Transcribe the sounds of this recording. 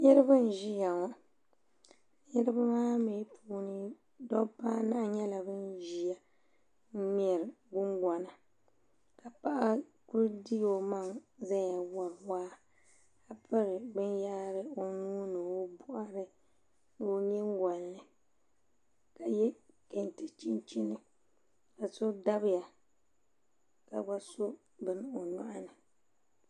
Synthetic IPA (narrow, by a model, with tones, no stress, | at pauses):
ɲɛ˦ɾɨ˦bɨ˦n˨ʒi˦ja˨ŋɔ˦˨ | ɲɛ˦ɾɨ˦ba˦maː˦me˨˦pʰuː˦nɨ˦ | dɔ˦pa˦na˦ʔɲɛ˦la˨bɨ˦nʒi˨ja˦ | n̩˦m˦ɛ˨ɾ | ɡʊ˦ŋɡʷa˨na˨ | ka˨pa˦ʔa˦ku˦ɾdi˦jo˨ma˦˨ŋza˦ja˨wa˨ɾwaː˦ | a˦pʰɨ˦ɾɪ˨bɨ˦njaː˦ɾɨ˦o˦nuː˦nɨ˨wo˦bʊ˦ʔa˦ɾɨ˦ | n˨o˦ɲɛ˦ŋɡa˨llɨ˨ | ka˨jɛ˦ke˨ntɨ˨t͡ʃi˦nt͡ʃi˦nɨ˦ | ka˨so˦da˦bɪ˦ja˨ | ka˨ɡa˦so˦ | bɨ˨n˨o˨ɲa̰˦ʔa˦nɨ˨